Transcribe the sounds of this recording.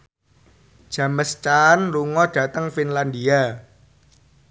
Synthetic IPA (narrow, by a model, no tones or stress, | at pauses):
d̥ʒ̥ä̤məst͡ʃanluŋɔd̥ä̤t̪əŋfinland̪ia